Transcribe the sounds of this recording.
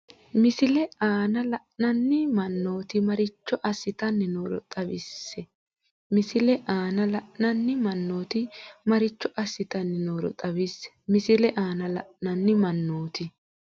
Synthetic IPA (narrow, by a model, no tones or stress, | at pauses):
mɪsɪlɛaːnɐlɐʔnɐnːɪmɐnːo̞ːt̪ɪmɐɾɪt͡ʃːɔʔɐsːɪt̪ɐnːɪnoːɾɔ̰t̪ʼɐbɪsːɛ | mɪsɪlɛʔaːnɐlɐʔnɐnːɪmɐnːo̞ːt̪ɪmɐɾɪt͡ʃːɔʔɐsːɪt̪ɐnːɪnoːɾɔ̰t̪ʼɐbɪsːɛ̥mɪsɪlɛʔaːnɐlɐ̰ʔnɐnːɪmɐnːo̞ːt̪ɪ